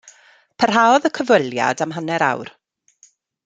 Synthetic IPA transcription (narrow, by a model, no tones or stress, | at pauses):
pʰərɦaːɔðəkʰəvəlˠja̰damɦanɛɾa̰wr